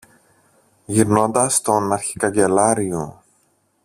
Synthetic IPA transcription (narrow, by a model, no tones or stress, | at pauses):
ʝiɾno̞nd̪ɐst̪o̞nɐɾçi̥kɐɲɟe̞lɐɾio